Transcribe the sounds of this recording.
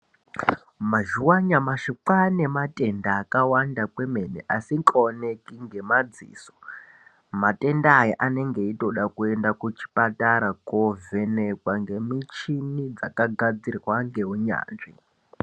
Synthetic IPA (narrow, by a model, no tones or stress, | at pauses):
maʒuwaɲamaʃiǃane̞matʼe̞ndaːkawandakweme̞nḛʔasiŋkonekiŋɡe̞mad͡zḭːso̥ | mate̞ndaːjiʔane̞ŋɡe̞ito̞ɗakue̞ndakut͡ʃi̥pataɾakove̞ne̞kwaŋɡe̞mit͡ʃinid͡zakaɡʱad͡zirwaŋɡe̞ɦuɲa̰ːnʐḭ